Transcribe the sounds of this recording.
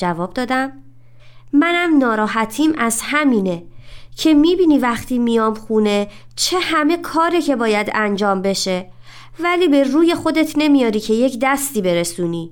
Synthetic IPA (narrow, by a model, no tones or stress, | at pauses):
d͡ʒævɒːb̚d̪ɒːd̪æm | mænæmnɒːɾɒːɦæt̪ʰiːmʔæzhæmiːne̞cʰe̞miːbiːniːvæxt̪ʰiːmijɒːmxune̞ | t͡ʃʰe̞hæme̞kʰɒːɾecʰe̞bɒːjæd̪ænd͡ʒɒːmbe̞ʃe̞ | væliːbe̞ruːje̞xo̞d̪e̞t̪ʰne̞mijɒːɾiːcʰe̞je̞cʰd̪æst̪iːbe̞ɾesuːniː